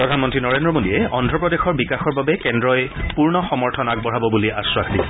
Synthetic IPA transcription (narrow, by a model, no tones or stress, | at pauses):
pɹɔdʱanmɔntɹinɔɹendɹɔmodiɛɔndɹɔpɹɔdexɔɹbikaxɔɹbabɛkɛndɹɔjpuɹnɔxɔmɔɹtʰɔnak̚bɔɹabɔbuliʔa̰sɹakʰdi